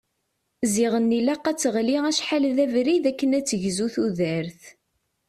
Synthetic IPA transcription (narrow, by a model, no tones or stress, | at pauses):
ziʁənːilæqːæt͡sːəʁliʁæʃħalðævɾiðækːənæt͡sːəʝzuθuðəɾθ